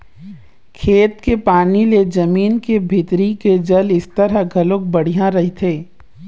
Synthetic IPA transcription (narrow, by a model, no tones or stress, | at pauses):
kʰeːt̪kepaːniled͡ʒɐmiːnkebʱɪt̪ɾiked͡ʒɐlɪst̪ɐɾaɡʱɐlok̚bɐɽ̤ijãɾɐɦit̪ʰeː